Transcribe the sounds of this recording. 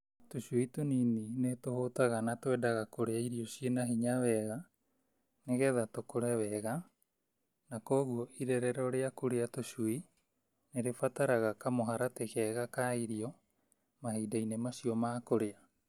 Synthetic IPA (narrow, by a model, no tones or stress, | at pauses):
tosuitonininetohotaɣanatoɛdaɣakoɾeaiɾiosienaɦiɲaβɛɣa | neɣɛðatokoɾɛβɛɣa | nakoːɣuoʔiɾɛɾɛɾɔɾeakuɾeatosui | neɾefataɾaɣakamoɦaɾatekɛɣakaiɾio | maɦeidainemasiomaːkoɾea